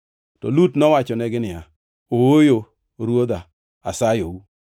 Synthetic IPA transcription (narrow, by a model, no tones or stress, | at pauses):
tɔ̰lutnɔwat͡ʃɔnɛɡɪnɪa | owojo | ɾwod̪a | a̰sajowu